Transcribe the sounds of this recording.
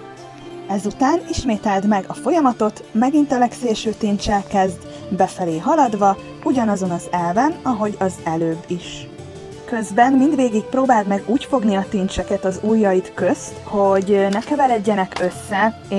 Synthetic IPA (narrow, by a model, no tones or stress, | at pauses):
ɛzut̪aːniʃmeːt̪ɛld̪mɛɡɒfo̞jɒmɒt̪o̞t̪mɛɡint̪ɛlɛkseːʃøːt̪int͡ʃɛlkɛzd̪ | bɛfɛleːɦɒlɒd̪ʋɒ | uɟɒnɒzo̞nɒzɛlvɛnɒɦo̞ɟɒzɛløːbːiʃ | kø̞zbɛnmind̪ʋeːɡik̚proːbaːlt̪mɛɡuːcfo̞ɡniɒt̪int͡ʃɛkɛt̪ɒzuːjːɒjit̪kø̞st̪ho̞ɟnɛkɛvɛlɛɟːɛnɛkø̞sːɛ